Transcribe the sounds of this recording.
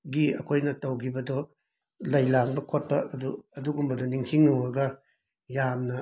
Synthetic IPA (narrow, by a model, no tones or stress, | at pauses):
ɡiɐkʰojnɐtɐwɡʰibɐdɔ | lɐjlaŋbɐkʰot̚pɐʔːduɐduɡumbɐdɔniŋtʰiŋːɐwɐɡɐ | jamnɐ